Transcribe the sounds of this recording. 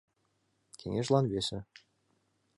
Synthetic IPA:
kʲʰḛŋeʃlˠɑnβesɪ

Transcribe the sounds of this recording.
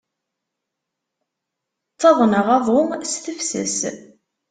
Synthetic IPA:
t͡sːɑðˤnəʁɑðˤʊmst̪əfsə̰s

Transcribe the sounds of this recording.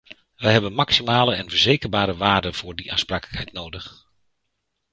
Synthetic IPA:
ʋəjɦɛbənmɑksimaːləɛnvəɹzejkəɹbaːɾəʋaːrdəv̥ʊːɹdiʔaːnspraːkələkhɛjtnowdəχ

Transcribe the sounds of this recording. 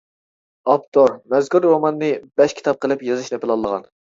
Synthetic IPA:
ɑpt̪ʰoɾmɛzkuɾwɑmɑnːɨb̥ɛʃkʲʰi̥t̪ʰɑp̚qʰəlˠɨpjɑzɨʃnɛpɪlˠɑlˠːəʁɑ̰n

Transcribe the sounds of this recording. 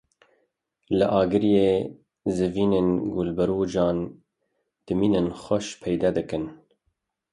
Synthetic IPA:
ləʔɑːɡɨɾjeː | zɨviːneːnɡolbəɾoːd͡ʒɑːn | d̪̥ɨmiːnɨnxʷɔʃpʰɛjd̪ɛd̪ɨkɨn

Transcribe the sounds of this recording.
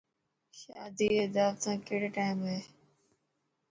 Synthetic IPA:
ʃaːd̪iːed̪aːʋt̪ãːkeːɽeʈaːɪmɦeː

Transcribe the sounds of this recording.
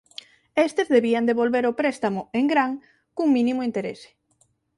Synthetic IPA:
est̪ezðeβiand̪eβolβeɾopɾɛst̪amʊeŋɡɾaŋ | kuŋmĩnimʊint̪eɾḛse̥

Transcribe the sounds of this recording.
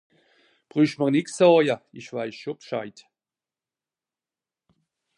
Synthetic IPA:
b̥ʁyːʃtməʁnɪksɔːjɐɪʃv̥aɪsʃopʃaɪt

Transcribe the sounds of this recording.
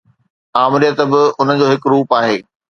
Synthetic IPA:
aːmɪɾijət̪bɪʊn̤ə̆d͡ʑoːɦɪkɾuːpaːɦeː

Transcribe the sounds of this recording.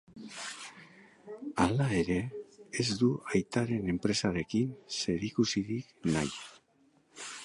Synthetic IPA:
alae̞ɾe̞ːzd̪uajt̪aɾe̞ne̞mpɾe̞saɾe̞kinse̞ɾikusiðiknaj

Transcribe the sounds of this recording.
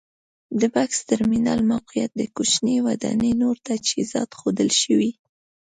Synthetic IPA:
d̪əbakst̪aɾminɑlmawqijat̪̚d̪əkut͡ʃnewad̪ɑ̰nənoɾt̪ad͡ʒhizɑ̰t̪xod̪əlʃəwi

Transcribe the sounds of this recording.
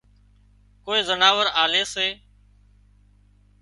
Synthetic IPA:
koːeːzənaːʋəɾaːleːseː

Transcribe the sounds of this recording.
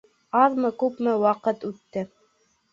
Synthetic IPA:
ɑðmɤkʉpmɘwɑqɤt̪ʉt̪ːɘ

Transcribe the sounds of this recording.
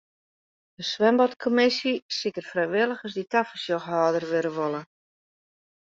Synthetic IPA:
dəsʋɛmbɔtkʰomɪsisikərfrɛjʋɪlˠəxɑsditafəsjɔxɦaːdərʋøɾəʋolˠə

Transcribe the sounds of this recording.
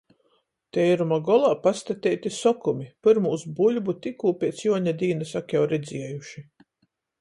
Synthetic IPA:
t̪ɛjɾumaɡɔlˠaːpast̪at̪ʲɛːt̪ʲisɔkumʲipɨɾmuːsbulʲbut̪ikuːpʲiɛt̪sjuɔɲad̪iːnɨsakjawɾɛd̪zʲiɛjuʃi

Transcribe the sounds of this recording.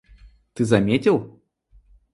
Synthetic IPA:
t̪ɨzɐmʲetʲɪlˠ

